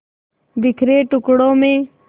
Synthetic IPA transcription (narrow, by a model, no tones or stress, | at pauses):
d̪ɪkʰɾeːʈʊkɽõːmẽː